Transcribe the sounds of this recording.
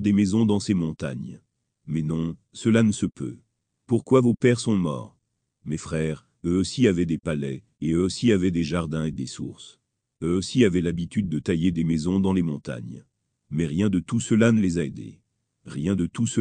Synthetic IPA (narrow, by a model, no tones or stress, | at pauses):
d̪emɛzɔ̃d̪ɑ̃semɔ̃t̪a̰ɲ | mɛnɔ̃ | səlanəsəpʰø̰ | puʁkwavopɛʁsɔ̃mɔ̰ːʁ | mefχɛːʁ | øosiavɛd̪epalɛ | eøosiavɛd̪eʒaʁd̪ɛ̃ed̪esṵʁs | øosiavɛlabit̪yd̪̚ːət̪ajed̪emɛzɔ̃d̪ɑ̃lemɔ̃t̪a̰ɲ | mɛʁjɛ̃d̪ət̪usəlanəlezaed̪ḛ | ʁjɛ̃d̪ət̪us